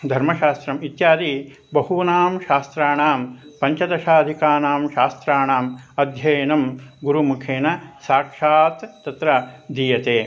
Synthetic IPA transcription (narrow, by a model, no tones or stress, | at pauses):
d̪ʱɐɾmɐʃaːst̪ɾɐmit̪jaːd̪iː | bɐɦhunaːmʃaːst̪ɾaːɳaːmpɐɲt͡ʃɐd̪ɐʃaːd̪ʱikaːnaːmʃaːst̪ɾaːɳaːmɐd̪ʱjɐːnɐmɡuɾumukʰeːnɐsaːkʂaːt̪ːɐt̪ɾɐd̪iːjɐt̪eː